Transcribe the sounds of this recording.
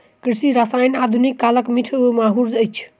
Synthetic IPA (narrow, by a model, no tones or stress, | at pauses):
kɾisiɾasajnad̪ʱunikːaləkmiʈʰemaɦuɾd͡ʒəjt͡ʃʰ